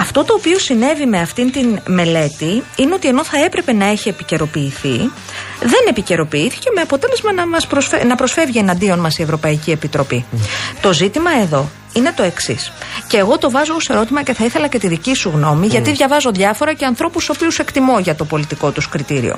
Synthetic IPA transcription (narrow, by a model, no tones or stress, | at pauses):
ɐft̪o̞t̪o̞ːpio̞sine̞vime̞ɐft̪int̪inme̞le̞t̪iineo̞t̪ie̞no̞θɐe̞pɾe̞pe̞nɐe̞çie̞pice̞ɾo̞piːθi | ðe̞nepice̞ɾo̞piiθi̥ce̞me̞ɐpo̞t̪e̞le̞zmɐnɐmɐspɾosenɐpɾo̞sfe̞vʝie̞nɐnd̪io̞nmɐsie̞vɾo̞pɐicie̞pit̪ɾo̞pit̪o̞zit̪imɐe̞ðo̞ | ine̞t̪o̞e̞ksḭsce̞ːɣo̞t̪o̞vɐzoose̞ɾo̞t̪imɐce̞θɐiθe̞lɐce̞t̪iðicisuɣno̞miʝɐt̪iðʝɐvɐzo̞ðʝɐfo̞ɾɐce̞ɐnθɾo̞pusopiuse̞kt̪imoʝɐt̪o̞po̞lit̪iko̞t̪uskɾit̪iɾḭo̞̰